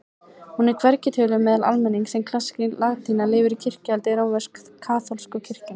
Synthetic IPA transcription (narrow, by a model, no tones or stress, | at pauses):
hunɛɾ̥kʰvɛɾcɪt̪ʰœːlʏmɛːðala̰lmɛnːiŋksɛmkʰl̥asːcɪlaɣt̪ʰiːnalɪːvɪɾicʰɪr̥cɪalt̪ɪɾowvɛskkʰːaːθɔlskʏcʰɪr̥cʏn